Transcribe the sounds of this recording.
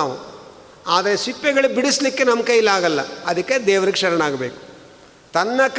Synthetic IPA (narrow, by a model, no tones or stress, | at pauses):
ʋu | aːd̪ɐɾesipːɛɡɐɭubiɽislikːe̞nɐmkɐjilaːɡɐlːɐ̰ɐd̪ɐkːed̪ɛːʋɐɾiɡʃɐɾɐɳaːɡɐbeːku̥ | t̪ɐnːɐk